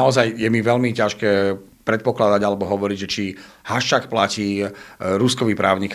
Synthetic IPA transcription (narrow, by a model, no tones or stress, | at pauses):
aɔzajjɛmiʋɛʎmicaʃkɛː | pɾɛt̪̚pɔklad̪aɟalɛbɔɦɔʋɔɾiɟʒɛt͡ʃi | haʃt͡ʃakplaciːɾuskɔʋiːpɾa̰ːʊɲik